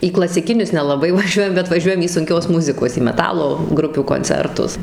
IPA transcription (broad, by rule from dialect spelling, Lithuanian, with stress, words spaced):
iː klˠɐsʲɪˈkʲɪnʲʊs nʲɛlˠɐˈbɐɪ ʋɐˈʒʲuɔjɛm bʲɛt ʋɐˈʒʲuɔjɛm iː sʊŋʲˈkʲoːs ˈmʊzʲɪkoːs iː mʲɛˈtɑːlˠoː ˈɡrʊpʲuː koːnʲˈt͡sʲɛrtʊs